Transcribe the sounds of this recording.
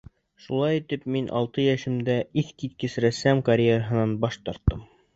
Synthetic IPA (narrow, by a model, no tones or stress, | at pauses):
ʃulˠɑjit̪ɘpminʔɒ̰lˠt̪ɤjæʃɘ̆md̪æʔiθkit̪̚kɘsɾæsæmkɐɾʲjeɾəɦɤ̆nɑnbɒʃt̪ɒɾt̪ːɤm